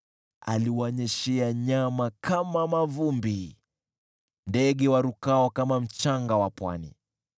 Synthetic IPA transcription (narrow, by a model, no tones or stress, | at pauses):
a̰liwaɔɲɛʃɛaɲamakamamavumbi | ndɛɠɛwaɾukaɔkamam̩t͡ʃaŋɡawapwa̰nḭ